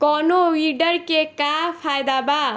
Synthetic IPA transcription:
kɔnowiɖʌrkekapʰajd̪aba

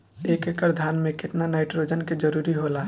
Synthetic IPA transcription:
eːkekəɾd̪ʱaːnmẽkɪt̪nanaːɪʈɾoːd͡ʒənked͡ʒəɾuːɾiɦola

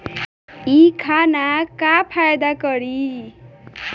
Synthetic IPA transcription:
ikʰanakapʰajd̪akʌɾi

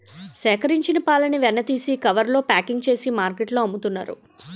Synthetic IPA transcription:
sɛːkɐɾiɲt͡ʃinɐpaːlɐniʋɛnːɐt̪iːsikɐʋɐɾlo̞ːpaːkiŋɡt͡ʃe̞ːsimaːɾkeʈloːɐmːut̪unːa̰ːɾṵ

